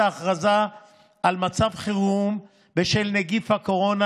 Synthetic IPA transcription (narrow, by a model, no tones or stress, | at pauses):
aːχʁazaː | lmat͡savχiʁum | beʃelneɡifhako̞ʁo̞na